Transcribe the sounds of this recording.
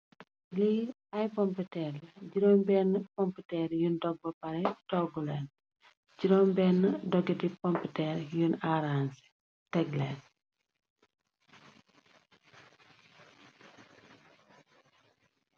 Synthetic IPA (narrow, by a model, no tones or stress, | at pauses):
li | ɐjkɔmpitɛrlɟiɾɔːnbɛnːəkɔmputɛɾjundɔɡ̚bɐpɐɾɛtɔɡulɛːn | ɟiɾɔːmbɛːnːədɔɡɛdikɔmputɛɾjunaɾansi̥ | tɛɡlɛːn